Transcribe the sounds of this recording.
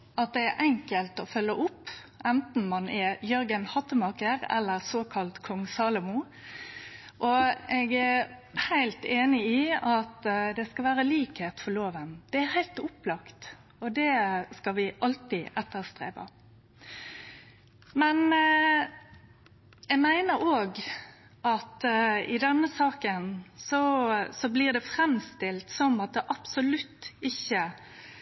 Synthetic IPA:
ɑt̪̚d̪ɛæɾʔɛŋkəlt̪ɔfœlːəʔʊpː | ʔɛnt̪n̩mɑnɛjœɾɡənhɑt̪ːəmɑkəɾɛ̰lːəɾsoːkʰɑlt̪kʰɔŋsɑːlʊmʊ | ʔɔɛɡæhæɪlt̪eːnɪiɑt̪d̪ɛskɑʋæːɾəliːkheːt̪fɔɾloːʋənd̪̥ɛæɾhæɪlt̪ʊplɑkt̪ | ɔd̪ɛskɑʋɪʔɑlt̪ɪʔɛt̪ːəɾst̪ɾḛːpə̰ | mɛn | jɛɡmæɪnəɾoːɡ | ʔɑt̪ɪd̪ɛnːəsɑːkənsɔsɔbliːʁd̪ɛfɾɛmst̪ɪlt̪sɔmɑt̪̚d̪ɛʔɑpsɔlʉt̪ːɪçːə

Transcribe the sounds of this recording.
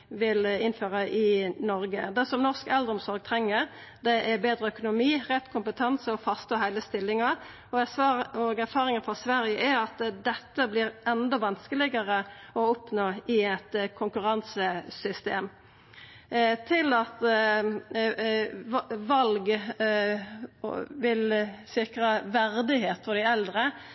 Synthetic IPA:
ʋɪlɪnːføːʁəʔɪnɔɾɡəd̪ɛsɔmnɔʁskɛld̪ʁɔmsɔɾɡ̚t̪ʰɾɛŋːəɾ | d̪ɛʔæʁbeːd̪ɾəœkʊnʊmiːʁɛt̪ːkʰʊmpət̪ʰɑnsəɔfɑst̪oːɦæɪləst̪ɪlːɪŋɑ | ɔæɑɔɡæʁfɑːʁɪŋɑfɔsʋæɾjəʔæɾɑt̪d̪ɛt̪ːəblɪɾʔɛnd̪ɔʋɑnskəlɪɡəʁəɔɔpnoːɪɛt̪kʰʊŋkʉɾɑnsəsʏst̪ḛːm | t̪ʰɪlɑt̪ | ʋɑlɡ | ʋɪlsɪkɾəʋæɾd̪ɪɦeːt̪fɔd̪ɪɛld̪ɾə

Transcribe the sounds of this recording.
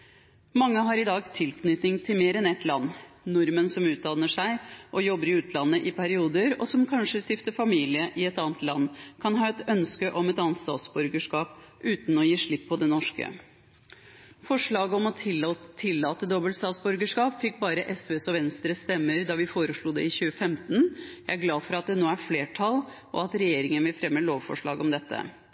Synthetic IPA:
mɑŋːəɦɑɾɪd̪ɑːɡt̪ʰɪlkʰnʏt̪nɪŋt̪ʰɪlmeːɾɛnɛt̪lɑnːnʊɾmənsɔmʉːt̪̚d̪ɑnːəʂæɪʔɔjɔbːəɾɪʉːt̪lɑnːəʔɪpʰæɾɪuːd̪əɾɔ̰sɔmkʰɑnʂəst̪ɪft̪əfɑmiːlɪəʔɪɛt̪ɑːnət̪lɑnːkʰɑnɦɑːɛt̪œnskəʔɔmɛt̪ɑːnt̪st̪ɑ̰ːt̪sbɔɾɡəʂkɑːp | ʔʉːt̪n̩ɔjiːʂɭɪpʰːɔd̪ɛnɔʂkə̰ | fɔʂɭɑːɡəɔmɔt̪ʰɪlːɑːt̪əd̪ɔbəlt̪st̪ɑːt̪sbɔɾɡəʂkɑːpfɪk̚ːbɑːɾəʔɛsʋeːsɔʋɛnst̪ɾəst̪ɛmːəɾd̪ɑʋɪfoːɾəʂɭuːd̪ɛɪçʉːəfɛmt̪n̩jæɪæɾɡlɑːfɔɾɑt̪̚d̪ɛnoːæɾfleːʈʰɑl | ʔɔ̰ɑt̪ɾɛjeːɾɪŋənʋɪlfɾɛmːəloːʋfɔ̰ʂɭɑ̰ːɡɔmd̪ɛt̪ːə̰

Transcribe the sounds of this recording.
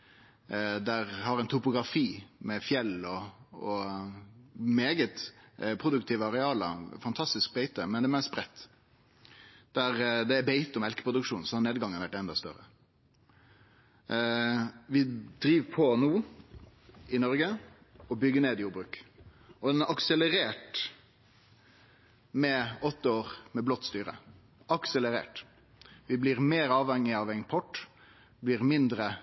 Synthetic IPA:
d̪æɾhɑɾɛɪnt̪ʰʊpʊɡɾɑfiːmɛfjɛlːɔɔ | meːɡət̪pʰʁʊd̪ʉk̚t̪ʰiːʋəɑɾɛɑːlɑ̰fɑnt̪ʰɑst̪ɪsk̚bɛɪt̪əmɛnd̪ɛmɛsbɾɛt̪ː | d̪̥æɾd̪ɛæbeɪt̪ɔmɛlkəpʰɾʊd̪ʉkʂuːnsɔhɑɾneːd̪ɡɑŋːənʋæʈːɛnd̪ɑst̪œ̰ɾə̰ | ʋɪd̪ɾiːʋpʰɔnuː | ɪnɔɾɡə | ɔbʏɡːəneːd̪ɪjuːɾbɾʉːk | ɔd̪ɛnæɾʔɑksələɾeːʈ | mɛɔt̪ːəoːʁmɛblɔt̪ːst̪yːɾə̰ | ɑksələɾḛːʈ | ʋɪblɪɾmeːɾɑːʋhɛŋːɪɑʋɛŋpʰɔʈː | blɪɾmɪnd̪ɾə

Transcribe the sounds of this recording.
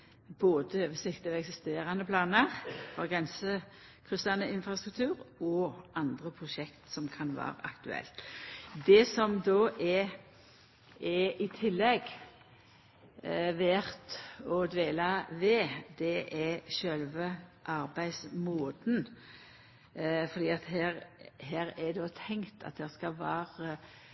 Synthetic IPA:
boːd̪əøːʋəsɪkt̪ɑʋɛksɪst̪eːʁɑnəpʰlɑːnəʁfɔʁɡʁɛnsə | kʰʁʉst̪ɑnəɪnfʁɑst̪ʁʉk̚t̪ʰʉːʁɔɑnd̪ʁəpʰʁʊʃɛkt̪sɔmkʰɑnʋɑ̰ːɾə̰ʔɑ̰kt̪ʉɛ̰lt̪d̪ɛsɔmd̪oːʔɛ | ɛɪt̪ʰɪlːɛɡ | ʋæʁt̪ɔd̪ʋeːlɑʋɛd̪̥ɛʔɛʃœlʋəʔɑɾbæɪsmoːd̪n̩ | fɔɾd̪iːɑt̪ɦæːɾhæːɾɛd̪oːt̪ʰɛŋt̪ʰɑ̰t̪̚d̪ɛʁskɑlʋæːɾə

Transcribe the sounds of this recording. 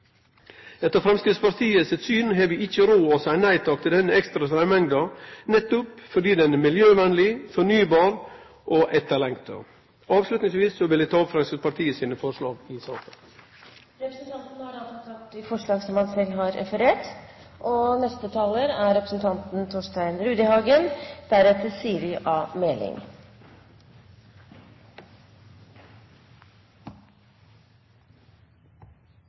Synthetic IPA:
ɛt̪ːəɾfɾɛmskɾɪt̪spɑɾt̪ʰiːəsɛt̪syːnɦɛːʋəɪçːəɾoːɔsæɪnæɪt̪ʰɑːkt̪ɪld̪ɛnːəɛkst̪ɾɑsɾæmɛŋd̪ɑnɛt̪ːʊpfɔɖiːd̪ɛnmɪljøːʋɛnəlɪfɔɳyːbɑːɾ | ʔɔʔɛt̪ːəɭɛŋt̪ʰə̰ | ɑːʋslʉt̪nɪŋsʋiːsːɔʋɪld̪ɪt̪ʰɑːfɾɛmskɾɪt̪spɑɾʈ̪ʰiːəsiːnəfɔʂɭɑːɡɪsɑːkən | ɾɛpɾəsnt̪ʰɑnt̪n̩hɑɾɑlsɔk̪ʰɑt̪̚d̪ɪfɔʂɭɑːɡsɔmhɑnsɛlːɦɑɾʔɛ̰fəɾeːʈ | ʔɔnɛst̪ət̪ʰɑːləɾæɾɛpɾəsn̩t̪ʰɑnt̪n̩t̪ʰoːʂʈæɪnɾʉːd̪ɪhɑːɡənd̪̥æɾɛt̪əsiːəɾɪʔɑːmɛlɪ̰ŋ

